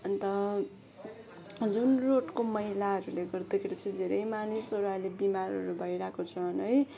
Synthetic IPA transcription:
ʌnt̪ʌ | d͡zunroʈkomʌɦilaɦʌɾuleɡʌrd̪ekʰeɾit͡sʰĩd̪ʱeɾʌjmanisʌɾualebimaɾʌɾubʱʌjɾakot͡sʰʌnɦʌj

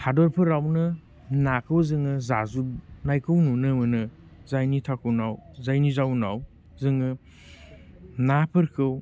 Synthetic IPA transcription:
hʰadɔɾpʰɯɾawnɯ | nakʰɯwzɯŋɯzazunajkʰɯwnunɯmɯnɯ | zajnitʰakʰɯwnawzajnizawna̰w | zɯŋɯ | napʰɯɾkʰɯw

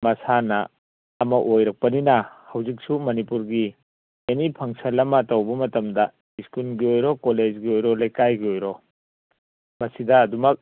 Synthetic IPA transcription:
mɐsanɐ̰ː | mɐʔojɾɐk̚pɐninɐhɐwzik̚sumɐnipuɾɡi | enipʰɐŋsɐlɐmɐtɐwbɐmɐtɐmdɐ | iskulɡiojɾokoled͡ʒɡiojɾɔlɐjkajɡiojɾo | mɐsidɐːdumɐk̚

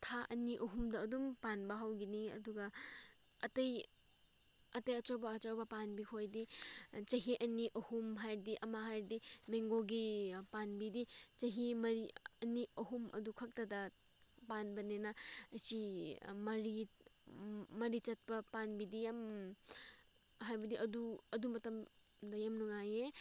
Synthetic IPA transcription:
tʰaʔɐniʔɐɦumdɐːdumpanbɐɦawɡiniɐ̰duɡɐ | ɐtɐj | ɐtɐjɐt͡ʃɐwbɐːt͡ʃawbɐpanbikʰojdit͡ʃɐɦiʔɐniʔɐhumɦajɾdiʔɐmaɦajɾdimeŋɡoɡipanbidit͡ʃɐɦimɐɾiɐniɐɦumɐ̰dukʰɐk̚tɐdɐ | panbɐnenaɐsimɐɾi | mɐɾit͡ʃɐt̚pɐpanbidijam | ɦajbɐdiʔɐduɐdumɐtɐm | dɐjamnuŋaje

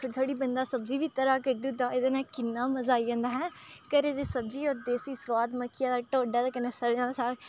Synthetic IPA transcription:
kʰət̪ʰoːɽiːbənd̪aːsəbziːʋiːt̪əɾaːkəɾd̪id̪aːed̪eːnãːkɪnːaːməzaːiːãːnd̪aːɦɛ̃ːkəɾeːd̪eːsəbziːɔːɾd̪eːsiːswaːd̪məkʰːɪjãːd̪aːʈoːɖaːd̪akənːeːsəɾd͡ʒãːd̪aːsaːɡ

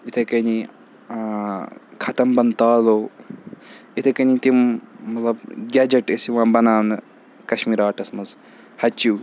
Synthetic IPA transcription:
it̪ʰekɐni | kʰɐt̪ɐmbɐnt̪aːloː | it̪ʰekɐnit̪immɐt̪lɐbɡʲaːd͡ʒɐʈesiʋãːbɐnaːʋnɨ | kɐʃmiːɾaːʈɐsmɐz | hɐt͡ʃuː

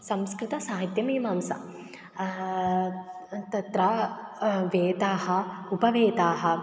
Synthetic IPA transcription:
sɐmskɾɪt̪ɐsaːɦit̪jɐmiːmaːmsɐ̰ | t̪ɐt̪ɾɐ | ʋeːt̪aːɦɐupɐʋeːt̪aːɦɐ

